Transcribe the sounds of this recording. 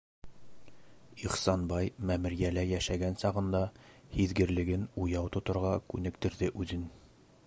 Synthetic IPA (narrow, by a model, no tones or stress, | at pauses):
iχsɑnbɑjmæmɘ̆ɾjælæjæʃæɡænsɑʁɤ̆nd̪ɑhiðɡɘ̆ɾlɘ̆ɡɘnujɑwt̪ŏt̪ŏɾʁɑkʉnɘ̆kt̪ɘ̆ɾðɘʔʉðɘn